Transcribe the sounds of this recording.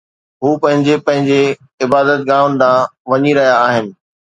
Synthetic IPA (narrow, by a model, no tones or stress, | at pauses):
ɦuːpɐ̃ɦɪ̃ɲd͡ʑepɐ̃ɦɪ̃ɲd͡ʑe | ɪbaːd̪ət̪̚ɡãːʋʊnɪ̆d̪ãːʋɐɲiɾɐɦijaːɦɪnɪ̆